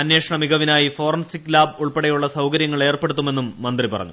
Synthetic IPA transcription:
ɐnːe̞ːʂɐɳɐmiɡɐʋinaːjifo̞ːrɐnsikːlaːbuɭpeɽejuɭːɐsɐwkɐɾjɐŋːɐɭe̞ːrpe̞ɽut̪ːume̞nːumːɐnd̪ripɐrɐ̰ɲːu

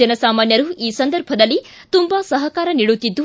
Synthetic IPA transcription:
ɐnɐsaːmaːnjɐɾuiːsɐnd̪ɐɾbʱɐd̪ɐlːi | t̪umbɐsɐɦɐkaːɾɐniːɽut̪ːid̪ːu

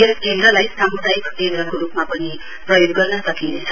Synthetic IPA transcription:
eskend̪ɾʌlajsamud̪ʱajbʌt̪enɾʌŋkoɾupmapʌni | pɾrʌjoɡ̚ɡʌrnʌsʌkint͡sʰʌ

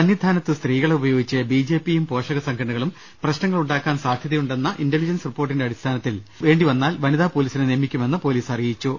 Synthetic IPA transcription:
ɐnjid̪ʱaːnɐt̪ːɨst̪riːɣɐɭeubɐjo̞ːɡit͡ɕːɨbiːd͡ʑe̞ːpːijumpo̞ːʂɐɣɐsɐŋɡʰʱɐʈɳːuɣɐɭum | prɐɕnɐŋːɐɭuɳɖaːkːaːnsaːd̪ʱjɐðɐjuɳɖe̞nːɐʔindelid͡ʑɐnsripːorʈːindeɐɽist̪ʰaːnɐt̪ːilʋe̞ːɳɖiʋɐnːaːlʋɐniðaːpo̞ːliːsinɨnemːikʲːume̞nːɨpo̞ːliːsɐrijit͡ɕːu

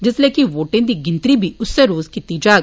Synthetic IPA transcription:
d͡ʒɪsleːkiʋoːʈɪ̃ŋd̪iːɡɪ̃nt̪ɾibʱiʊsːeɾoːzkit̪id͡ʒaː

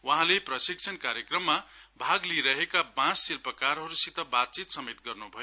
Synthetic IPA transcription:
wʌɦãleprʌsik̚t͡sʰʌnkaɾjekrʌmːabʱaɡliɾʌɦekabãsːilpʌkaɾɦʌɾusit̪ʌbat̪̚t͡sit̪sʌmet̪ɡʌrnubʱʌjo

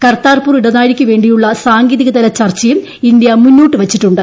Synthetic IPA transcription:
kɐrt̪aːrpuːriɽɐnaːjiɾikʲːɨʋe̞ːɳɖijuɭːɐsaːŋɡiːðiɣɐd̪ɐlɐt͡ɕɐrt͡ɕːɐjum | ind̪jɐmunːuːʈːɨʋɐt͡ɕːiʈːuɳɖɨ

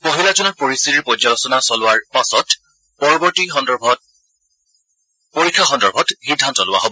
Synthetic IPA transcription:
pɔɦilad͡ʒɔnɔɹpoɹistitiɹpɔd͡ʒalɔsɔnasɔlʊwaɹpasɔt | pɔɹɔbɔɹtixɔndɔb | poɹikʰːaxɔndɔɹbʱɔtxidʱːantɔlʊwa̰ɦobɔ

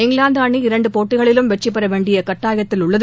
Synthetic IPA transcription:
ɪŋɡɭaːnd̪aːɳiɪɾɐɳɖɯpoːʈːɪɣɐɭɪlɯmʋɛt͡ʃːɪpːɐɾɐʋeːɳɖɪjɐkɐʈːaːjɣɐt̪ːɪlʊɭːɐð

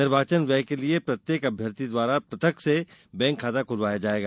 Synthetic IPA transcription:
nɪɾbʱaːt͡ʃənʋɛɦkeliepɾɐt̪jeːkɐbʱjəɾt̪id̪ʋaːɾapɾɐt̪əksebɛ̃ːŋkʰːaːt̪akʰʊlʋaːjad͡ʒaːeːɡaː

